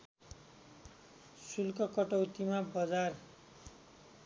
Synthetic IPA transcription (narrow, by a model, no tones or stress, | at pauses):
sulkʌkʌʈʌwt̪imabʌd͡zar